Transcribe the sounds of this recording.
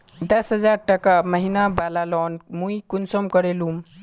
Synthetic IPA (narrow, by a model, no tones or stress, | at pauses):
d̪əsɦəd͡zaɾʈəkaməɦinabalalɔːnmuikunsɔmkəɾelum